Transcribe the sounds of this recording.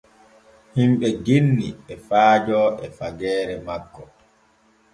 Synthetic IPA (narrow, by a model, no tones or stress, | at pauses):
himɓɛɡenːiɛfaːd͡ʒɔːɛfaɡɛːɾɛmakːɔ